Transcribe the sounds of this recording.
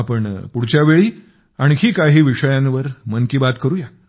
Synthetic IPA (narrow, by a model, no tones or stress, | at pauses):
apəɳpuɽt͡ɕjaʋeɭiː | aɽ̃ikiːkaɦiːʋiʂəjãnʋəɾmənkiːbat̪kəɾuːja